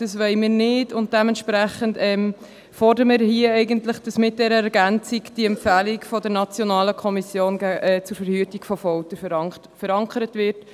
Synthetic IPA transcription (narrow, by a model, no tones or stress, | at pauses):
d̥ɑsʋɛɪmɪːɾnɪdʊnt̚d̥ɛmɛntʃpɾæχəndɛːm | fɔrdəɾəmɪɾɦiəɛɪɡəntləχd̥ɑsmɪt̚d̥ɛɾəɛɾɡænt͡sikd̥iɛmpfæːlikfɔdəɾnɑt͡sjɔnɑːləkʰɔmisjoːnɡæɛːt͡sʊɾfəɾhyətikfɔfɔltə | fəɾɑŋkʰəɾətʋɪɾt